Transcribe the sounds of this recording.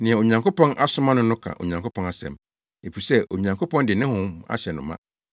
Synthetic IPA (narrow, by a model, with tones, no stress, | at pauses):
nɪ̃˨ɛ˨o˨ɲã˨ŋkʰo˦pɔ̃˦nʔa˦sʊ˦mã˦nʊ̃˦nʊ̃˦kʰã̰˨ʔo̰˨ɲã˨ŋkʰo˦pʰɔ̃˦na˦sɛ̰̃˨m | e˨pi˨sɛ˦ʔo˨ɲã˨ŋkʰo˦pʰɔ̃˦ndɪ˨nɪ̃˦hʊ̃˦ma̰˦ɕɛ˨nʊ̃˨mã̰˦